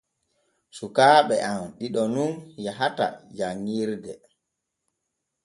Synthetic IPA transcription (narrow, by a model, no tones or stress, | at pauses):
sukaːɓɛʔamɗiɗɔnunjaɦata̰d͡ʒaŋːiɾdɛ